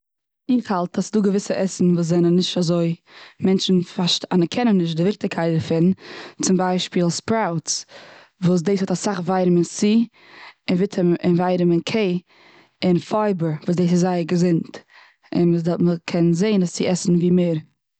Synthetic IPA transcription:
ɪχhalˠtʰasduːɡəvɪsəʔɛsn̩vuːs̬zɛnənːɪʃtazoɪmɛnt͡ʃn̩faʃtanəkʰɛnənːɪʃ̬tdɪvɪχtɪkʰaɪt̚dəɾfɪnt͡sɪmbaɪʃpiːlˠspɾaʊts | vuːs̬deɪshɔtasaχvaɪɾəmɪnsiː | ɪnvɪtʰəmɪnvaɪɾəmɪnkʰeɪ | ɪnfaɪbəɾvuːs̬deɪsɪzːaɪəɾɡəzɪnt | ɪ̰ndɔməkʰɛnzeɪnast͡sɪɛsn̩viːmeːɾ

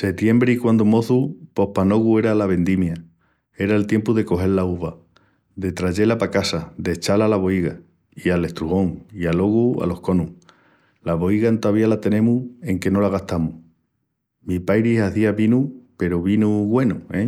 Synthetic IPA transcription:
se̞t̪je̞mbɾikwand̪omo̞θupo̞hpano̞ɣue̞ɾalaβe̞nd̪imja | e̞ɾaelt̪je̞mpuðe̞ko̞ɦe̞ɾlauβa | d̪e̞t̪ɾaʝelapakasad̪e̞t͡ʃalalaβo̞iɣa | iale̞ht̪ɾuɣo̞ŋialo̞ɣua̰lo̞hko̞nu | laβo̞iɣant̪aβialat̪e̞nẽ̞mue̞ŋke̞no̞laɣ̞aht̪amuh | mipajɾiɦaθiaβinupe̞ɾoβinuɣwe̞nue

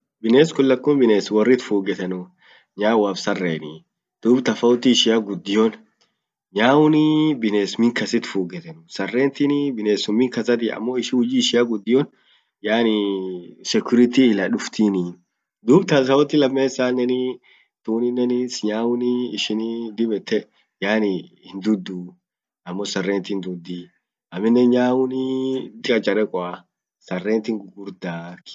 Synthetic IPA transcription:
bɪneːskʊlːɐkːʊːnbɪneːswɐrːɪt̪fuːɡɛt̪ɐnʊ | ɲaːwaːfsɐrːḛːnɪ | d̪̥uːbt̪ɐfɐʊt̪ːɪːʃɪjaɡʊd̪ːɪjɔn | ɲaːwʊnibɪneːsmɪŋkɐsɪt̪fuːɡɛt̪ɐnʊsɐrːeːnt̪ɪnɪbɪneːsʊmːɪŋkɐsɐt̪̬ɪɐ̰mːoːɪʃɪhʊd͡ʒiːʃɪaɡʊd̪ːɪjɔn | jaːnɪ | sɛkʊɾɪt̪ilɐᶑʊft̪iniːn | d̪uːbt̪ɐs̬ɐwɔt̪ːɪlɐmːeːsːaːnːɛnɪ | t̪uːnɪnːɛnɪsɲaːwʊnɪːʃɪnɪd̪ɪbɛt̪ːɛ | jaːnɪ | ɪnd̪ʊd̪ːu | ɐmːosɐrːeːnt̪ɪnd̪ʊd̪ːi | ɐmɪnːɛɲaːwʊnɪd̪ɪkʼɐt͡ʃʼɐɾɛkʼɔa | sɐrːeːnt̪ɪŋɡʊɾd̪aːk

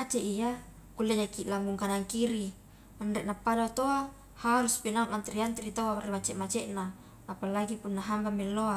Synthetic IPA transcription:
at͡ʃeʔija | kulːeɲakilaŋɡuŋkanaŋkiɾi | andeʔnapːadat̪oa | haɾuspinaŋant̪ɾiant̪ɾit̪owarimat͡ʃɛʔmat͡ʃɛʔnaː | palaɡipunːaɦambamelːoa

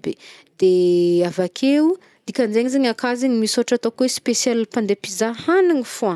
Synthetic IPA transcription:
b̥ḛd̪̥eavakʰeu | d̪̥ikʲand͡ʒeɲizeɲakaziɲimisoʈ͡ʂat̪okuespesjɛlipand̪epizahaniŋifua

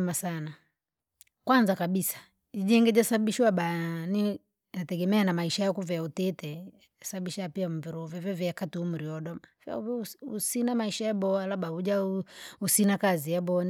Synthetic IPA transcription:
masana | kwanzakaɓisḁ | id͡ʒɛŋɡɛd͡ʒasaɓiʃwaɓani | natɛɡɛmɛanamaiʃajakuvɛautɛtɛ | asaɓiʃaapiam̩viɾuvɛvɛvɛakatuum̩ɾiɔɗɔmava̰uusinamaiʃajabɔalaɓauʄauusinakazijabɔan

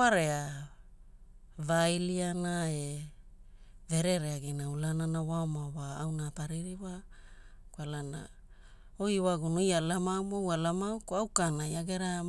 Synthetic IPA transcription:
aɾea | vajlianae | ve̞ɾeɾeaɡinaulananawaomawaːwnapaɾiɾiwa | kwalana̰ | ojwaɡunojalamamowalamawkoawkanajaɡeɾa

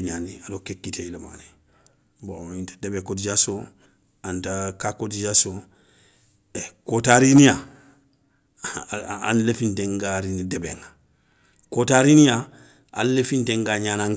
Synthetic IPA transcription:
ɲaːniadokekːitʰeilema̰ːni | bointḁdebekodid͡ʒaso | antakakodid͡ʒaso | ekotaɾinija | a̰nlefĩntẽŋɡaɾinidebḛŋa | kotaɾinija | a̰llefintẽŋɡaɲaːnãŋ

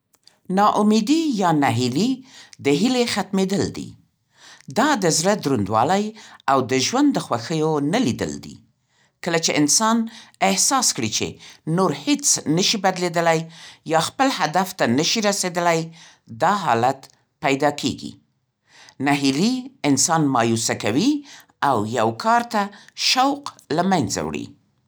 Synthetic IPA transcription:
nɑʔʊmed̪ijɑnaɦilid̪əɦilexat̪med̪əld̪ḭ | d̪ɑd̪əzɽəd̪ɾund̪wɑ̰lajawd̪əʒwand̪ːəxwaxəjonalid̪ə̰ld̪ḭ | kəlat͡ʃeʔɪnsɑnɪhsɑskɽit͡ʃḛnoɾhet͡snəʃibad̪led̪əlajjɑxpəlhad̪aft̪anəʃiɾased̪əlaj | d̪ɑɦɑ̰lat̪ | pajd̪ɑkʰḛɡḭ | naɦiliɪnsɑnmɑjusakawi | awjawkʰɑɾt̪aʃawqlamajnza̰wɽḭ

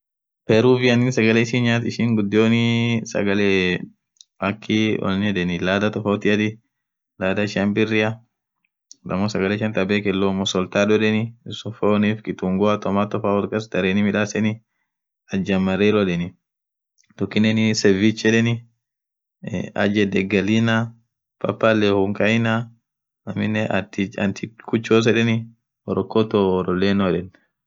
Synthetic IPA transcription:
pɛɾuːvɪɐnɪnsɐɡɐlɛɪʃɪnɲaːt̪ɪʃɪŋɡʊd̪ːɪoːnɪsɐ̰ɡɐle | ɐkʰːɪɔ̰nɛᶑɛnɪlaːd̪ɐt̪ɔfoːt̪ɪɐd̪ɪ | laːd̪ɐɪʃɪɐnbɪrːɪɐ | d̪ɐmːɔsɐɡɐlɛʃɐnt̪ɐbeːkɛlːoːmɔsɔlt̪aːᶑɔᶑɛnɪsɔfoːniːfkɪt̪uŋɡɔat̪ɔmaːt̪ɔfaːwɔɾkʼɐsd̪ɐɾeːnɪmɪᶑaːsɛnɪ | ɐd͡ʒɐmɐɾeːlɔᶑɛnɪ | d̪̥ʊkːɪnːɛnɪsɛvit͡ʃːɛᶑɛnɪ | ɐ̰d͡ʒɛd̪ɛɡɐlina | pʰɐ̰pːalːɛhʊŋkʼɐjna | ɐmɪnːɛt̪ɐ̰nt̪ʰɪkʰʊt͡ʃːoːs̬ɛᶑɛnɪ | ɔɾɔkːɔt̪ɔːɾɔlːeːnɔɛᶑɛn

